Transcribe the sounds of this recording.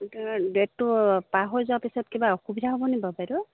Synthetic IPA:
deʈːupaɦɔzuapisɔt̚kibaɔxubidʱaɦɔbɔnibabajɾɔ

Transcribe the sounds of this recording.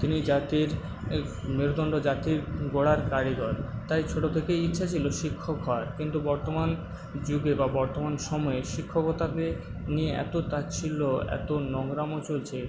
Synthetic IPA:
t̪inid͡ʑat̪iɾ | meɾod̪ɔɳɖod͡ʑat̪iɾɡoɽaɾkaɾiɡ̪ɔɾt̪ajt͡ɕʰoʈot̪ʰekejitːɕʰat͡ɕʰiloʃikʰːokːɔɾkint̪ubɔɾt̪oman | d͡ʑuɡebabɔɾt̪omanʃɔmɔeʃikʰːokot̪ake | nieʔɛ̰t̪ot̪at͡ɕʰiloɛ̰t̪onɔŋɾamot͡ɕolt͡ɕʰe

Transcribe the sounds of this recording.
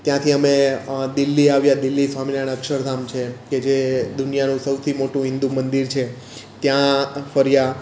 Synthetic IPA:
t̪jãt̪ʰiəmed̪ɪlːiaʋjad̪ɪlːisʋamilanəkʃəɾd̪ʱamt͡ʃʰeked͡ʒed̪ʊnijanũsəwt̪ʰimoʈũɦɪ̃nd̪umənd̪iɾt͡ʃʰe | t̪jãfəɾja

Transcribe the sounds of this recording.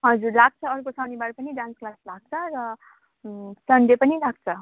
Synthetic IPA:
ɦʌd͡zurlaɡ̚t͡sʰʌʌrkosʌnibaɽpʌniɖãnsklaslaɡ̚t͡sʰʌɾʌ | sʌnɖepʌnilaɡ̚t͡sʰʌ

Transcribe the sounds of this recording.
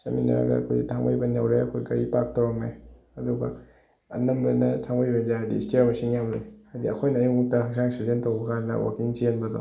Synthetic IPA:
sɐ̰mina̰a̰ɡɐ̰ɐ̰kʰojtʰaŋbajbɐnawɾeɐkʰojkɐɾipak̚tawɾɐmej | ɐduɡɐ | ɐ̰nɐmbenɐtʰaŋbajbɐzaɦajdisteɾmɐsiŋjamlejhajdiɐ̰kʰojnɐːjuŋutːɐhaksaŋsaɾzentɐwbɐkʰannɐ̰wa̰kiŋt͡ʃienbɐdo̰

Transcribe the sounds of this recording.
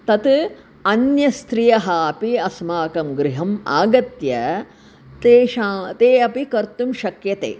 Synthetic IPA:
t̪ɐt̪ | ɐnjɐst̪ɾijɐɦɐɐpiɐsmaːkɐmɡɾɪɦɐma̰ːɡɐt̪jɐ | t̪eːʃaːt̪eːɐpikɐɾt̪umʃɐkjɐt̪ḛː

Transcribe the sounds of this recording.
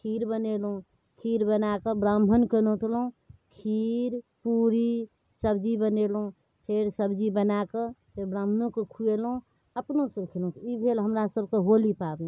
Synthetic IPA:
kʰiɾbənelɦũ | kʰiɾbənakəbɾambʱənkənot̪ʰlũkʰiɾpuɾi | səbd͡ʒibənelɦũ | pʰeɾsəbd͡ʒibənakepʰebɾãːm̤ənõkekʰuelɦũ | əpnosəbkʰelũt̪ibʰʱelɦəmɾasəbkeɦolipab

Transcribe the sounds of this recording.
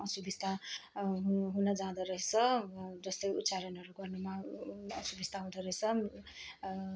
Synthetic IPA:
ʌsubist̪a | ɦunʌd͡zãd̪ʌɾʌɦit͡sʰʌd͡zʌst̪ʌjut̪ːsaɾʌnʌɾuɡʌrnumaʌsubist̪ʰaɦũd̪ʌɾʌjt͡sʰʌ

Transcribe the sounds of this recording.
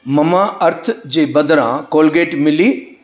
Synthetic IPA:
mɐmaʔɐɾt̪ʰd͡ʑeːbɐd̪ɾã̰koːlɡeːʈmɪliː

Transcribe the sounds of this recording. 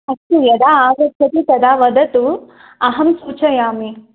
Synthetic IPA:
ɐktujɐd̪aːaːɡɐtʰɐt̪it̪ɐd̪aːʋɐd̪ɐt̪u | ɐɦɐmsuːt͡ʃɐjaːmi

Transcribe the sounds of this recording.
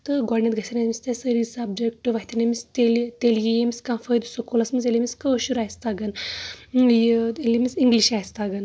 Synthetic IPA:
t̪ɨɡɔɖnʲent̪̚ɡɐsɐnemisʲt̪esəɾisɐb̚d͡ʒek̚ʈɨʋɐɦit̪ɐnemist̪elt̪eljijemiskãːfəjd̪usokolɐsmɐnzelimiskəʃuɾaːjst̪aɡɐn | jelimisiŋɡliʃaːjst̪aɡɐn

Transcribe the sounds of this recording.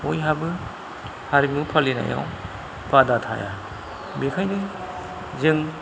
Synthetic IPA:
ojɦabɯ | haɾiŋ̚mupʰalina̰ja̰w | b̥adatʰa̰ja̰ | bekʰajnɯ | zɯŋ

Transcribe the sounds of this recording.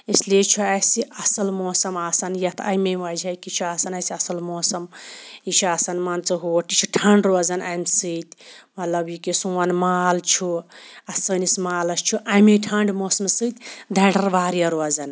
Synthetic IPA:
eslet͡ʃʰuasiʔɐsɐlmoːsɐmaːsanjɐt̪ʰɐ̰jmeʋad͡ʒajkit͡ʃʰuaːsɐnasiɐsɐlmoːsɐmit͡ʃʰuaːsanmaːnt͡sɐɦoʈit͡ʃʰuʈʰɐɳɖɾozɐnajmsɨt̪mɐt̪lɐbjikisuwɐnmaːlt͡ʃʰuɐsənismaːlɐst͡ʃʰuʔajmeʈʰɐɳɖmoːsɐmsɨt̪ʲd̪ʱɐɖɐɾʋaːɾijɐɾoɐzɐn

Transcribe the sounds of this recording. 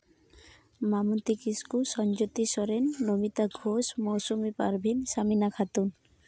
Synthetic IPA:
mamunt̪ikiskusɔnd͡ʒot̪iʃɔɾenːomit̪aɡʱosmɔwsumipa̰ɾbʱinsaminakʰat̪un

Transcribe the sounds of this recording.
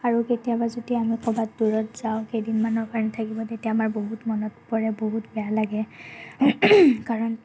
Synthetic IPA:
aɹuketijabazodiamikʰɔbatduɹɔtz̥aʊ̃kejdinmanɔkaɹnɛtʰakibɔtetiaːmaɹboɦutmɔnɔt̚pɔɹɛboɦutbɛjalaɡɛ | kaɹɔn

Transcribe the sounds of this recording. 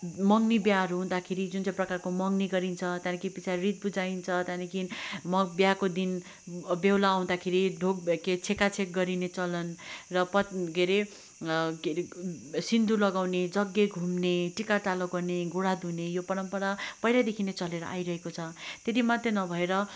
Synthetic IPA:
mʌŋnibjaɦʌɾuɦũd̪akʰeɾid͡zunt͡sãprʌkarkomʌŋniɡʌɾint͡sʰʌt̪jãnikʰipit͡sʰarit̪̚bud͡zaint͡sʰʌt̪jãnikʰinmʌbjakod̪in | bewlaːw̃d̪akʰeɾiɖʱoɡ̚ket͡sʰekat͡sʰek̚ɡʌɾinet͡sʌlʌnrʌpʌɡʱeɾe | sind̪ulʌɡawned͡zʌɡːeɡʱumneʈikaʈaloɡʌrneɡoɽad̪unejopʌɽʌmpʌɽapʌɦjlad̪ekʰinet͡sʌleɾʌ̰ʔa̰jɾʌɦekot͡sʰʌt̪et̪imat̪renʌbʱʌeɾʌ

